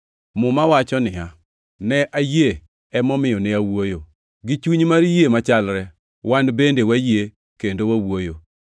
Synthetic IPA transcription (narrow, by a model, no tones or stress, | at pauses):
mʊmawat͡ʃɔnɪja | nɛʔaje | ɛmɔmɪjɔnɛawojo | ɡɪt͡ʃuɲmaɾjemat͡ʃalɾɛ | wanbendewaje | kendowawojo